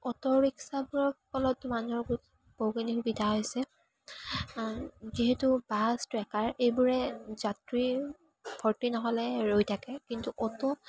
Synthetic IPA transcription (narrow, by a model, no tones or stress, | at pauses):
ɔtɔɹiksabuɹɔkɔlɔtːʊmanuɔɹɡut | b̥oɡinikbidʱaɦojsɛ | ziɦɛtubastɹɛkaɹejbuɹɛzatɹi | bʱɔɹtinɔɦɔlɛɹojtʰakɛkintuʔɔtɔ